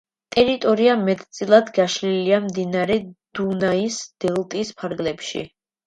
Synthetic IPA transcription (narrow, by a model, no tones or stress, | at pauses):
t̪ʼɛɾit̪ʼɔɾiamɛt̪ʼʰt̪sʼilˠad̪ɡaʃliliamd̪inaɾɛd̪̥unaisd̪̥ɛlˠt̪ʼispʰaɾɡlɛpʃḭ